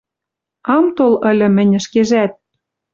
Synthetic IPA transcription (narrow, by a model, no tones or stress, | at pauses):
ɑmt̪olə̆lʲɘ̆mɘ̆nʲɘ̆ʃkeʒæt̪̚